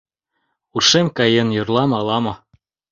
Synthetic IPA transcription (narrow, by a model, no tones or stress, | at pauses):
urʃemkɑjɤ̆njorlˠɑmɑlɑmɤ̆